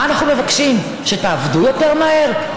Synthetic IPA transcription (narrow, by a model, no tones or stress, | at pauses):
anaχnumevakʃim | ʃe̞taːvd̪ujo̞te̞ʁmaɦe̞ʁ